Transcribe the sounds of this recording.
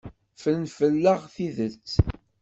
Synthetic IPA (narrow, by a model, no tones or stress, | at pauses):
fənfəlːəʁθiðəlt͡sː